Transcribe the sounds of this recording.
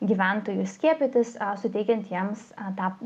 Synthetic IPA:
ɡʲiːʋʲæˑnt̪oːjʊsʲkʲiɛpʲɪt̪ʲɪssʊt̪ʲɛɪkʲɛnt̪jiɛmst̪ɑː

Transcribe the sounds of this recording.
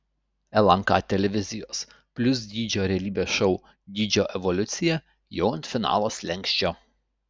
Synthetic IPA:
ɛlˠɐŋkɑ̰ːt̪ʲɛlʲɛʋʲɪzʲɪjoːs | pʲlʲʊs̬d̪ʲiːd͡ʒʲoːɾʲɛɐlʲiːbʲeːsʃɔʊ | d̪ʲiːd͡ʒʲoːʔɛʋɔlʲʊt̪sʲɪjɛ | joʊɐnt̪fʲɪnɑ̰ːlˠoːslʲɛŋʲkʲʃʲt͡ʃʲoː

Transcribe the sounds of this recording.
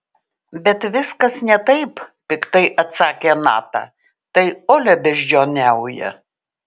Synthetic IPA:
bʲɛt̪ʋʲɪskɐsnʲɛt̪ɐɪppʲɪkt̪ɐɪʔɐt̪sɑːkʲeːnɑ̰ːt̪ɑ̰ː | t̪ɐɪoːlʲɛbʲɛʒʲd͡ʒʲoːnʲɛʊjɛ̰

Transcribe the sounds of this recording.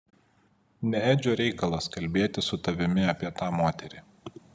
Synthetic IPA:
nʲɛɛːd͡ʒʲoːɾʲɛɪkɐlˠɐskɐlʲbʲeːt̪ʲɪsʊt̪ɐʋʲɪmʲɪɐpʲiɛt̪ɑːmoːt̪ʲɛɾʲɪˑ

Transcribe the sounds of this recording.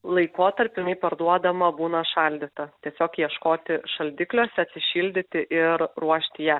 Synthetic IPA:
lˠɐɪkoːt̪ɐɾʲpʲɪɪnʲɐɪpɐɾd̪uɔd̪ɐmɐbuːnɐʃɑlʲd̪ʲɪt̪ɐt̪ʲiɛsʲoːkjiɛʃkoːt̪ʲɪʃɐlʲd̪ʲɪklʲoːsʲɛɐt̪ʲsʲɪʃʲiːlʲd̪ʲɪt̪ʲɪʔɪɾɾuɔʃʲt̪ʲɪjæː

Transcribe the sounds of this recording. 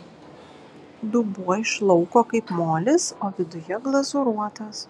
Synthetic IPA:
d̪ʊbuɔɪʃlˠɔʊkoːkɐɪpmoːlʲɪsoːʋʲɪd̪ʊjɛɡlˠɐzʊɾuɔt̪ɐs

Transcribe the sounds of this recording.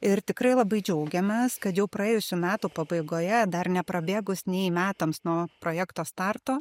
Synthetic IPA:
ɪɾt̪ʲɪkɾɐɪlˠɐbɐɪd͡ʒʲɛʊɡʲɛmʲɛskɐt̪jɛʊpɾɐjeːjʊsʲuːmʲæːt̪uːpɐbɐɪɡoːjɛd̪ɐɾnʲɛpɾɐbʲeːɡʊsnʲɛɪmʲæːt̪ɐmsnuɔpɾoːjæːkt̪oːst̪ɑrt̪oː

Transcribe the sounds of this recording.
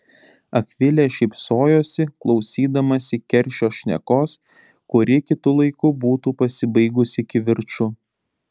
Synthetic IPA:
ɐkʲʋʲɪlʲeːʃʲɛɪpsoːjoːsʲɪklˠɒʊsʲiːd̪ɐmɐsʲɪkʲɛɾʲˑʃʲoːʃʲnʲɛ̰koːs | kʊɾʲɪkʲɪt̪ʊlˠɐɪkʊbuːt̪uːpɐsʲɪbɐɪɡʊsʲɪkʲɪʋʲɪɾt͡ʃʊ

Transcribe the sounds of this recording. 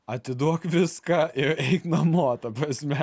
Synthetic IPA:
ɐt̪ʲɪd̪uɔkʋʲɪskɐʔɪɛɪknɐmoːt̪ɐpɾɐsʲmʲɛ

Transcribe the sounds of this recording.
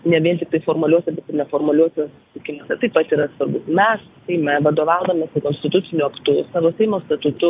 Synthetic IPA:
nʲɛʋʲiɛnʲt̪ʲɪktɐɪfoːɾmʊɐlʲuɔsʲɛbʲɛt̪ɪrnʲɛfoːɾmʊɐlʲuɔsʲɛsʊsʲɪt̪ʲɪkʲɪmoːsʲɛt̪ɐɪpɐt̪iːɾɐsʋɐrbʊsmʲɛs | sʲɛɪmʲɛʋɐd̪oːʋɑʊd̪ɐmʲesɪkoːnsʲt̪ʲɪt̪ʊt̪sʲɪnʲʊɐkt̪ʊsɑːʋoːsʲɛɪmoːst̪ɐt̪ʊt̪ʊ

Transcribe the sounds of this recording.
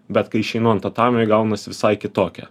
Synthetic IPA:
bʲɛt̪kɐɪɪʃʲɛɪnoːjɛnt̪ɐt̪ɑːmʲjɛɪɡɐʊnɐsʲɪʋʲɪsɐɪkʲɪt̪oːkʲɛ̰

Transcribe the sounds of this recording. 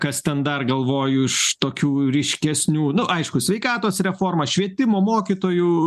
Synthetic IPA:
kɐst̪ʲɛnd̪ɐrɡɐlˠʋoːjʊɪʃt̪oːkʲuːɾʲɪʃʲkʲɛsʲnʲuːnʊʔɐɪʃkʊsʲʋʲɛɪkɑːt̪oːsɾʲɛfoːrmɐʃʲʋʲiɛt̪ʲɪmoːmoːkʲit̪oːju

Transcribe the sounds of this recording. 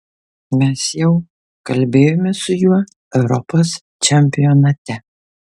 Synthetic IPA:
mʲɛsjɛʊ | kɐlʲbʲeːjomʲɛsʊjuɔ | ɛʊɾɔpos | t͡ʃʲɛmʲpʲɪjɔnɐt̪ʲɛ

